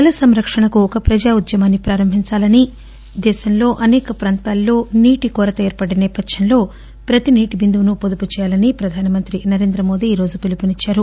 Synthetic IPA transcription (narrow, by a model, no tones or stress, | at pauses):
ɐlɐsɐmɾɐkʂɐɳɐkuɔkɐpɾɐd͡ʒaːud̪jɐmaːnːipɾaːɾɐmbʱiɲt͡ʃaːlɐni | d̪ɛːʃɐmlo̞ːʔɐnɛːkɐpɾaːnt̪aːlːo̞ːniːʈikɔːɾɐt̪ɐeːɾpɐɽenɛːpɐd̪jɐnlo̞ː | pɾɐt̪iniːʈibind̪uʋunupod̪uput͡ʃɛːjaːlɐnipɾɐd̪ʱaːnɐmɐnt̪ɾinɐɾeːnd̪ɾɐmo̞ːd̪iːɾo̞ːd͡ʒupilupinit͡ʃːaːɾu